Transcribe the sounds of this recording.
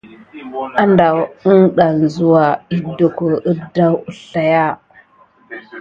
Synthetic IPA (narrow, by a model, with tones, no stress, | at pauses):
a˦nda˨wə˦nɗa˨n˨zu˨wa˨i˦do˨ku˨ʔə˦da˦wu˨ɬa˨ja˦